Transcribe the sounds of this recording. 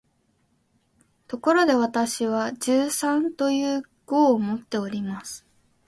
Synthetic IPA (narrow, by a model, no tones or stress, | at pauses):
t̪o̞ko̞ɾo̞d̪e̞βat̪aɕiβad͡ʑɨːsãnt̪o̞jɯː | ɡ̥oːmo̞t̪ːe̞o̞ɾʲimasɨ̥